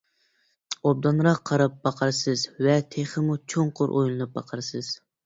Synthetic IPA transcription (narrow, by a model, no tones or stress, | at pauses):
ob̚d̪ɑnɾɑqʰːɑɾɑp̚bɑqʰɑɾsɨzvɛt̪ʰeχəmut͡ʃʰoɴqʰʊɾʔo̰jlˠɨnɨp̚bɑ̰qʰɑɾsɨz̥